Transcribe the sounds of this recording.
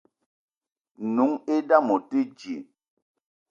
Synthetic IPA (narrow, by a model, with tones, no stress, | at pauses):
nu˨˦ŋe˦da˦˨mɔ˨te˦d͡ʒjḛ˨